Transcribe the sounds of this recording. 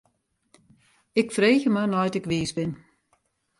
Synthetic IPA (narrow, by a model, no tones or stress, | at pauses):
ɪkfreːɣəmanɔjtɪkʋiːsbɪn